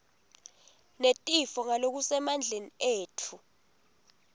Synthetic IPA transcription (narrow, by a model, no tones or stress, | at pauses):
netʼifɔŋalok̬usɛmand͡ɮʱenieːtʰu